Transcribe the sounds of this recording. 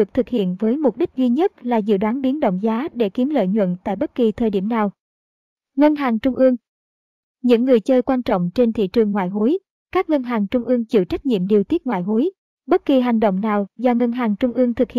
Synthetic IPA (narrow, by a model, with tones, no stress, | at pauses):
ɨ˨˩ək̚t̪ʰɨ˨˩k̚hḭ˧˨ənvəː˨˦jmʊ˨˩k͡p̚ɗï˦˥k̚zwi˧ɲə˦˥t̚laː˨˩zɨ̰˧˨ɗwaː˨˦nɓi˨˦nɗo̰˧˨wŋ͡mzaː˨˦ɗe˧˩ki˨˦əmlə̰ː˧˨jɲwə̰˧˨nt̪a̰ː˧˨jɓə˦˥t̚ki˨˩t̪ʰəː˨˩jɗi˧˩əmnaː˨˩w | ŋə˧nɦaː˨˩ŋt͡ɕʊ˧ŋ͡mʔɨ˧əŋ | ɲɨ̰˧˥ŋːɨ˨˩əjt͡ɕəː˧jkwaː˧nt͡ɕɔ̰˧˨wŋ͡mt͡ɕe˧nt̪ʰḭ˧˨t͡ɕɨ˨˩əŋːwa̰ː˧˨jɦu˨˦j | kaː˦˥k̚ŋə˧nɦaː˨˩ŋt͡ɕʊ˧ŋ͡mʔɨ˧əŋt͡ɕɨ̰˧˩t͡ɕa˦˥jk̚ɲḭ˧˨əmɗi˨˩t̪i˦˥ət̚ŋwa̰ː˧˨jɦo˨˦j | ɓə˦˥t̚ki˨˩ɦa˨˩jŋ̟ɗo̰˧˨wŋ͡mnaː˨˩wzɔ˧ŋə˧nɦaː˨˩ŋt͡ɕʊ˧ŋ͡mʔɨ˧əŋt̪ʰɨ˨˩k̚hḭ˧˨